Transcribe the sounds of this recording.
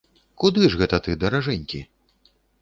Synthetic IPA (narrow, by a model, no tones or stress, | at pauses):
kud̪ɨʐɣɛt̪ɐt̪ɨd̪ɐɾaʐɛnʲkʲi